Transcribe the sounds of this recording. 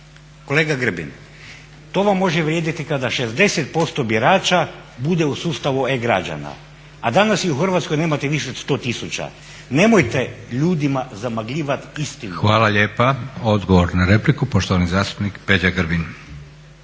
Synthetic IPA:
ko̞leːɡaɡr̩bḭn | t̪o̞ʋamːo̞ʒeʋɾjed̪it̪ikad̪aʃe̞zd̪e̞set̪̚po̞st̪o̞bjiɾaːt͡ʃa | bud̪e̞usuːst̪aʋueɡɾa̰d͡ʒa̰na̰ | ad̪anasiuxrʋat̪sko̞jne̞ːmat̪eʋiʃeod̪st̪o̞t̪isut͡ʃa̰ | ne̞mojt̪e̞ʎuːd̪imazamaɡʎʲiːʋat̪ist̪inxʋaːlaʎeːpao̞d̪ɡoʋoɾnaɾeplikupoʃt̪oʋanizaːst̪u̥pnikped͡ʑaɡrɾ̩bin

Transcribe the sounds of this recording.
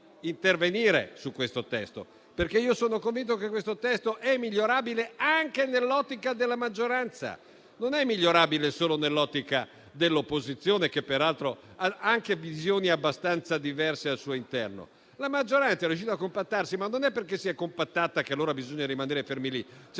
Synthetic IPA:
int̪erveniːɾḛsukːwest̪ot̪ɛ̰st̪o̰ | perkeiːosoːnokoɱvint̪okekːwest̪ot̪ɛst̪oʔɛmːiʎːoɾaːbileaŋkenelːɔt̪ːikad̪elːamad͡ʒːoɾant̪sa̰ | nonɛmːiʎːoɾaːbilesoːlonelːɔt̪ːika | d̪elːopːozit̪sːjoːnekepːeɾalt̪ɾo | aaŋkevizjoːniabːast̪ant̪sad̪ivɛrsealsuːoint̪ɛrno̰ | lamad͡ʒːoɾant̪aɛɾrjuʃ̬iːt̪oakːompat̪ːarsimanːonɛpːerkesːiɛkompat̪ːat̪akealːoːɾabizoɲːaɾimaneːɾefermilit͡ʃ

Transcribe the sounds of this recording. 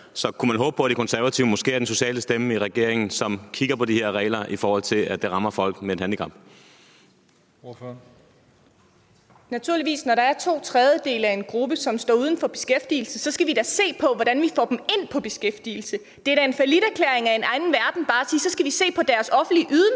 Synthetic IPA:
sɒ̽kʰumænɦɔ̽ːb̥ə̥pʰɒ̽d̥ekʰɒ̽nsæɐʋæt͡sʰiʊəmɔ̽sɡ̥e̝̰ːɐd̥enso̝ɕɛ̰ːləsd̥eməiʁɛɡ̥e̝ɐ̰eŋn̩sɒ̽mkʰiɡ̥ɐpʰɒ̽dihe̝ɐʁɛ̰ɪlɐifɒːhɒ̽l̰t͡sʰe̝læd̥eʁɑ̈mɐfɒ̽l̰ɡ̥meed̥hænd̥ikʰɑ̈mb̥ | næt͡sʰuɐliʋḭːsnɒɾɑ̈æɐt͡sʰo̝̰ːt͡sʰʁɛð̞ˠjəd̥e̝̰ːləæe̝nɡ̥ʁub̥əsɒ̽msd̥ɒ̰ːuð̞ˠn̩fɒ̽b̥e̝sɡ̥efd̥ḭːl̩səsɒ̽sɡ̥æʋid̥æse̝̰ːpʰɒ̽ʋɒd̥ænʋifɒ̰ːdm̩e̝n̰pʰɒ̽b̥e̝sɡ̥efd̥ḭːl̩sə | d̥e̝d̥æe̝nfælid̥æɐkʰlḛɐeŋæe̝nɑ̈ɪnn̩ʋæɐd̥n̩b̥ɑ̈ːæsiːsɒ̽sɡ̥æʋise̝̰ːpʰɒ̽d̥æɐsɒ̽fn̩d̥liʔyðˠən

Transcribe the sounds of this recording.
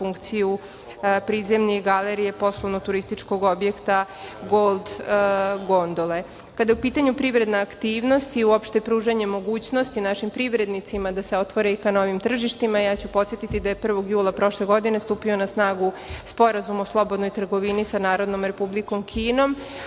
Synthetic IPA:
fuŋkt̪siju | pɾiːze̞mniɡaleɾije̞po̞slˠoʋnot̪uɾist̪it͡ʂko̞ɡo̞bje̞kt̪a | ɡolˠd̪ | ɡo̞nd̪ole̞ | kad̪ajeupiːt̪aɲupɾiʋɾe̞d̪naakt̪iːʋno̞st̪iuopʃt̪epɾuːʒeɲe̞mo̞ɡuːt͡ɕno̞st̪inaʃimpɾiʋɾe̞d̪nit̪simad̪ase̞o̞t̪ʋoɾeikano̞ːʋimt̪r̩ʒiʃt̪imajaːt͡ɕupo̞t̪sje̞t̪it̪id̪aje̞pr̩ʋo̞ɡjuːlˠapɾo̞ʃle̞ɡo̞d̪ine̞st̪uːpio̞nasnaːɡu | spo̞ɾazumoslˠo̞bod̪no̞jt̪r̩ɡo̞ʋinisanaːɾod̪no̞mɾe̞publiko̞mkʰiːno̞m

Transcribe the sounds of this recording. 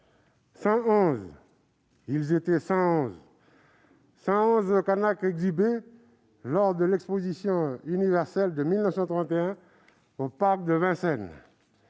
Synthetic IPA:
sɑ̃ɔ̃z | ilzet̪ɛsɑ̃ɔ̃z | sɑ̃ɔ̃zokanakɛɡzibe | lɔʁd̪əlɛkspozisjɔ̃ynivɛʁsɛld̪əmilnəfsɑ̃t̪χɑ̃t̪eɛ̃ | opaʁk̚d̪əvɛ̃sɛn

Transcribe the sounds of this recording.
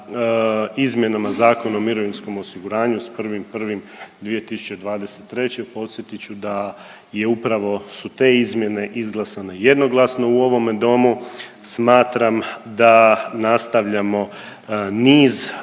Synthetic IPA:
izmʲje̞namazaːko̞naomiɾo̞ʋinsko̞mosiɡuɾaːɲuspr̩ʋimpr̩ʋim | d̪ʋije̞t̪isu̥t͡ɕe̞d̪ʋaːd̪e̞se̥t̪ːɾe̞t͡ɕe̞po̞t̪sje̞t̪it͡ɕud̪a | je̞upɾaʋo̞sut̪e̞ːizmje̞ne̞ʔizɡlˠasane̞je̞d̪no̞ɡlˠasno̞uo̞ʋo̞me̞d̪o̞musmaːt̪ɾamd̪anast̪aʋʎamo̞ | niːz

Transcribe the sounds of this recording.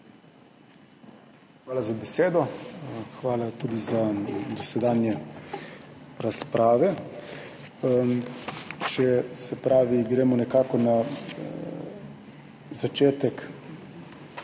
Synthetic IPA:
xʋaːlazabɛseːd̪ɔxʋaːlat̪uːd̪izad̪ɔsɛd̪aːnjɛ | ɾaspɾʔaːʋɛ | t͡ʃɛsɛpɾaːʋiɡɾeːmɔnɛkaːkɔna | zat͡ʃeːt̪ɛk

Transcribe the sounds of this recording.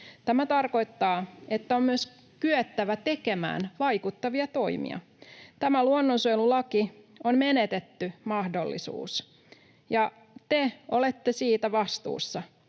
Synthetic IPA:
t̪æmæt̪ɑrko̞jt̪ːɑːet̪ːæommyøs | kyøt̪ːæʋæt̪e̞kemæ̰ːnʋɑjkut̪ːɑʋiɑt̪o̞imḭɑ̰ | t̪æmæluonːonsojlulɑki | onme̞net̪et̪ːymɑhdo̞lːḭsṵːs | jɑ | t̪eolet̪ːesiːt̪æʋɑst̪ṵːsːɑ

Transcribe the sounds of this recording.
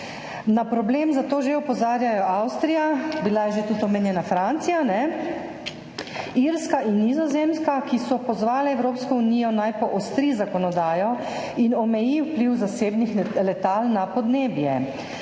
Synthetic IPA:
napɾɔbleːmzat̪oːʒeɔpɔzaːɾjajɔawst̪ɾijabilajɛʒet̪ut̪ɔmɛnjɛnafɾant̪sijanɛ | iɾskaʔinːizɔzemskakisɔpɔzʋaːlɛɛwɾoːpskɔuniːjɔnajpɔʔɔst̪ɾizakɔnɔd̪aːjɔ | inɔmɛjiwpliwzaseːbnixlɛt̪alnapɔd̪neːbjɛ

